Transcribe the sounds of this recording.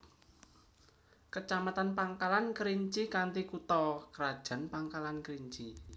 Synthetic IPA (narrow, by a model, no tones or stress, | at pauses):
kət͡ʃamat̪anpaŋkalankəɾiɲt͡ʃikant̪ikut̪ɔkəɾad̥ʒ̥a̤npaŋkalankəɾiɲt͡ʃi